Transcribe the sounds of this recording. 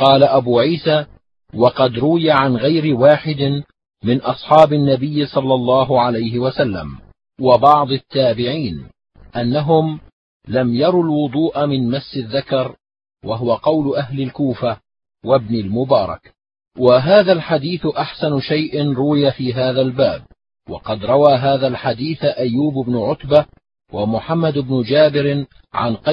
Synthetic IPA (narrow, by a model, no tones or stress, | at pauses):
qɑːlaʔabuːʕiːsaː | wɑqɑd̪ɾˤʊwɪjaʕanɣajɾɪwaːħɪd̪ɪ | mɪnʔɑsˤħɑːbɪnːabɪjːɪsˤɑlːɑlˤːɑːɦʊʕalajɦɪwasalːa̰m | wɑbɑʕd̪ˤɪt̪ːaːbɪʕiːn | ʔanːaɦʊm | lamjɑɾˤulwʊd̪ˤuːʔamɪnmasːɪðːakɑɾˤ | waɦʊwaqɑwlʊʔaɦlɪlkuːfa | wabnɪlmʊbɑːɾˤɑ̰k | waɦaːðalħad̪iːθʔaħsanʃajʔɪnɾˤʊwɪjafiːɦaːðalbaːb̚ | wɑ̰qɑd̪ɾˤɑwaːɦaːðalħad̪iːθʔajːuːbʊbnʊʕʊt̪ba | wamʊħamːad̪ɪbnʊd͡ʒaːbɪɾ | ʕa̰nqɑ